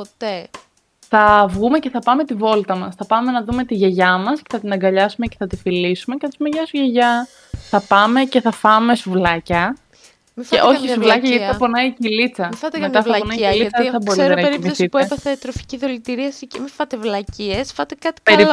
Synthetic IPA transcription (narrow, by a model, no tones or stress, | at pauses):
pot̪e | θɐvɣume̞ce̞θɐpɐme̞t̪ivo̞lt̪ɐmɐsθɐpɐme̞nɐðume̞t̪iʝeʝɐmɐsce̞θɐt̪inɐŋɡɐʎɐsumeceθɐt̪ifilisume̞ceθɐspumeʝɐsuʝeʝɐ | θɐpɐme̞ce̞θɐfɐme̞suvlɐcɐ | meʔo̞çissuvlɐcɐʝɐt̪i̥ɐponɐicilit͡sɐmfɐt̪met̪ɐθɐɐponɐiilit͡sɐðeθɐbo̞ɾiɾt̪enɐɾimisitpuepɐθet̪ɾofi̥ciðolit̪iɾiɐsicemifɐt̪evlɐciesfɐt̪ekɐt̪i̥eɾi